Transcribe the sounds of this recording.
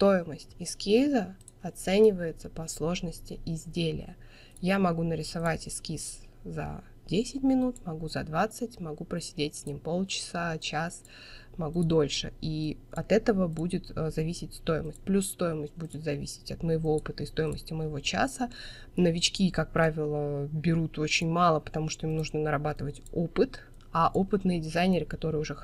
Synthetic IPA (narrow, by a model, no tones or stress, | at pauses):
st̪o̞jɪməsʲtʲɪskʲizə | ɐt̪sɛnʲɪvəjɪt̪səpɐslˠo̞ʐnəsʲtʲɪɪzʲdʲelʲɪ̰jə̰ | jamɐɡunəɾʲɪsavatʲɪskʲis | zɐ̰ | dʲesʲɪtʲmʲɪnut̪mɐɡuzɐd̪vat̪sɨtʲmɐɡupɾəsʲɪ̥dʲetʲsʲnʲimpo̞lˠt͡ɕɪ̥sat͡ɕas | mɐɡud̪o̞lʲʂɨiɐt̪ɛt̪əvəbudʲɪt̪zɐvʲisʲɪtʲst̪o̞jɪməsʲtʲplʲusːt̪o̞jɪməsʲt̚ʲbudʲɪt̪zɐvʲḭsʲɪ̥tʲɐt̪məjɪvo̞opɨt̪əist̪o̞jɪməsʲtʲɪməjɪvo̞t͡ɕa̰sə | nəvʲɪt͡ɕkʲikak̚pɾavʲɪlˠəbʲɪɾut̪ot͡ɕɪnʲmɑlˠəpə̥t̪ɐmuʂt̪o̞imnuʐnənəɾɐbat̪ɨvətʲopɨt̪ | aʔopɨt̪nɨjədʲɪzajnʲɪɾɨkɐt̪o̞ɾɨjʊʐɛ